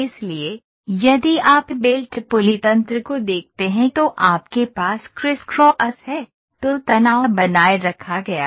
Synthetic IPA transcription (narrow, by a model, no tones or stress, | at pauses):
ɪslie | jɐd̪iaːpbeːlʈpʊlit̪ɐ̃nt̪ɾəkod̪eːk̚ʰt̪eɦɛ̃t̪oʔaːpkepaːskɾɪskɾɔːʔɐsɦɛː | t̪ot̪ɐnaːʋabɐnaːeɾɐkʰaɡɐja̰ː